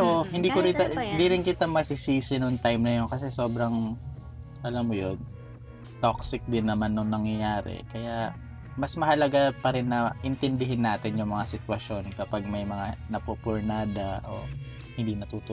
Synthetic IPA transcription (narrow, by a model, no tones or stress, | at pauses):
pɛɾohɪnd̪iːkoɾɪaɪnd̪iːɾɪnkɪt̪amɐsɪsiːsɪnʊŋt̪ajmnɐjonkɐsɛso̞ːbɾɐŋ | ʔɐlɐmːojon | t̪oksɪk̚d̪ɪnːɐmanːʊŋnɐŋjɐjaːɾɛ̰kɐjaʔ | mɐsmɐhɐlɐɡapɐɾɪnːɐʔɪnt̪ɪnd̪ɪɦɪnːaːt̪ɪnjʊŋmɐŋasɪt̪wɐʃo̞nkɐpaɡ̚mɐjmɐŋanɐpopoɹnaːd̪ɐʔo̰ | hɪnd̪inɐt̪uːt̪o